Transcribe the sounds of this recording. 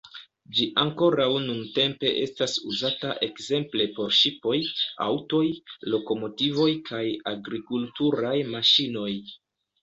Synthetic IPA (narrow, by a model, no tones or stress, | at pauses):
d͡ʒiʔaŋko̞ɾawnunte̞mpe̞ʔe̞stasuzataʔe̞kze̞mple̞po̞ɾʃipo̞ja̰wto̞jlo̞ko̞mo̞tivo̞jkʰajaɡɾikultuɾajmaʃino̞j